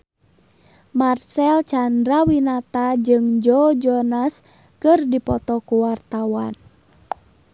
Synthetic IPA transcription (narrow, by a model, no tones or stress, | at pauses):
marsɛlt͡ʃandɾawinat̪ad͡ʒɨŋd͡ʒɔd͡ʒɔnas | kɨrdipɔt̪ɔkuwart̪awan